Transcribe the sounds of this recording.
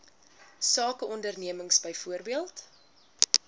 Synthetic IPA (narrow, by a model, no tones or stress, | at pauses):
sɑːkəɔndərniəməŋsbɛjfuərbiəlˠt